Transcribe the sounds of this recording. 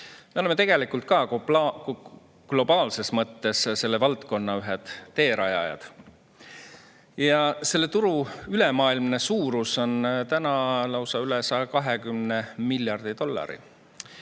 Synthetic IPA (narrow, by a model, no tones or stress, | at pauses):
meolemet̪e̞ɡ̥e̞likult̪̚kɑ | ɡ̥lo̞b̥ɑːlse̞smɤt̪ːe̞sse̞lːe̞vɑlt̪ko̞nːɑyɦed̪̥ːe̞ːɾɑjɑ̰jɑ̰d̪̥ | jɑse̞lːe̞t̪uɾuyle̞mɑːilmne̞suːɾuso̞nt̪ænɑlɑwsɑylesɑjɑkɑɦe̞kymnemilʲjɑrd̪̥it̪o̞lːɑ̰ɾḭ